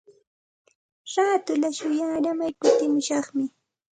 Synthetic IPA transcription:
ɾaːt̪ʊlaʃʊjaːɾamajkʊt̪ɪmʊʃɑχmɪ

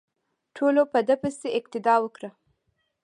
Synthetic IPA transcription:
ʈʰolopəd̪əpəseɪqt̪ɪd̪ɑwəkɽə

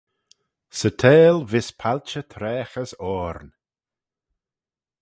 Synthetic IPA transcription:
sətʰeːlvɪspʰalʲt͡ʃət̪ʰɾɛːxəsɔːɾn

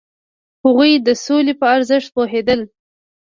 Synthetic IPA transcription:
haɣujd̪əsolepəaɾzəʃt̪̚poɦed̪əl

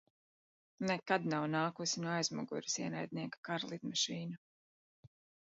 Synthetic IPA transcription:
nɛkad̪nawnaːkusinuajzmṵɡṵɾisiɛnajd̪̚niɛkḁkaɾlˠit̪maʃiːna

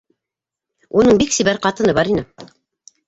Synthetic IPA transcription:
unɤɴbiksiβæɾqɑt̪ɤ̆nɤβɑɾinɘ

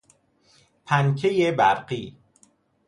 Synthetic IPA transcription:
pʰæncʰejebæɾɢiː

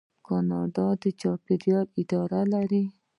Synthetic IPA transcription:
kɑnɑɖ̪ɑd̪ət͡ʃɑpɪɾjɑlɪd̪ɑɾalaɾi

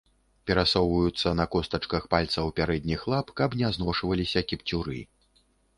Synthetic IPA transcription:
pʲɛɾasɔwvɐjut̪sːɐnɐkɔst̪ɐt͡ʂkɐxpalʲt̪sɐwpʲaɾɛd̪ʲnʲixlˠapkɐpnʲɛaznɔʂvɐlʲisʲɐkʲipt͡sʲuɾɨ̰

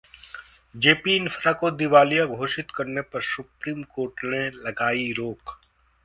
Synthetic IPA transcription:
d͡ʒeːpiɪnfʰɾakod̪ɪʋaːlijaɡʱoːʃɪt̪kɐɾnepɐɾsʊpɾiːmkoːɾʈnelɐɡaːiɾoːk

